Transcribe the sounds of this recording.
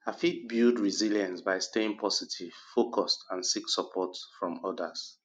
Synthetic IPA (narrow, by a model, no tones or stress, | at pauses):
afit̚bildɹiziljãnsbaɪsteɪ̃ŋpʰɔsitʰiv̥fokʰɔstãnsiksɔpʰɔtfɹɔ̃mɔdas